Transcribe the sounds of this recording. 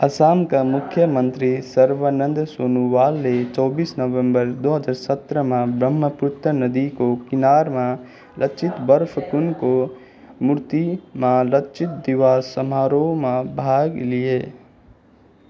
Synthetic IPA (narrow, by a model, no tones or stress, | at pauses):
ɐsaːmkamʊkʰjəmə̃nt̪ɾisɐɾʋaːnə̃nd̪soːnuʋaːlnet͡ʃɔːbiːsnɐʋə̃mbəɾd̪oːɦəd͡ʒaːɾsɐt̪ɾəmãbɾəmːəpʊɾt̪ənɐd̪ikokɪnaːɾmã | lʔəkt͡ʃɪt̪bəɾpʰkʊnko | mʊɾt̪imãləkt͡ʃɪt̪̚d̪ɪʋaːsəmaːɾomãbʱaːɡlijeː